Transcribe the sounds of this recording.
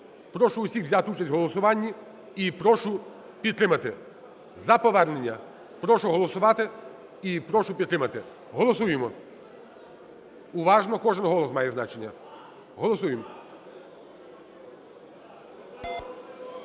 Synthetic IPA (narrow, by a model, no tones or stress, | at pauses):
pɾɔʃʊːsʲixʋzʲat̪ɪut͡ʃɐsʲtʲɦɔlˠɔsʊʋɑnʲːi | ipɾɔʃʊ | pʲid̪̚t̪ɾɪmɐt̪ɪ | zɐpɔʋɛɾnenʲːɐ | pɾɔʃʊɦɔlˠɔsʊʋɑt̪ɪ | ipɾɔʃʊpʲid̪t̪ɾɪmɐt̪ɪ | ɦɔlˠɔsujemɔ | ʊʋɑʒnɔkɔʒenɦɔlˠɔsmɑjɛznɑt͡ʃenʲːɐ | ɦɔlˠɔsujemɔ